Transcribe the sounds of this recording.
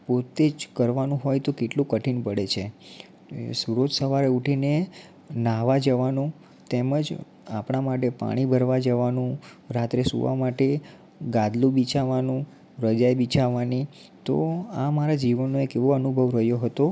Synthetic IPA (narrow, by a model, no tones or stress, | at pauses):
pot̪ed͡ʒkəɾʋanũɦɔjt̪okeʈlũkəʈʰinpəɽet͡ʃʰe | suɾod͡ʒsəʋaɾeuʈʰine | naʋad͡ʒəʋanũ | t̪eməd͡ʒ | apɳ̃amaʈepa̰ɽ̃ibʱəɾʋad͡ʒəʋanũ | ɾat̪ɾesṵʋa̰maʈe | ɡãd̪lũbit͡ʃaʋanũ | ɾəd͡ʒajbit͡ʃʰaʋani | t̪o̰amaɾad͡ʒiʋənːoekeʋoənubʱəʋɾəɦjoɦət̪o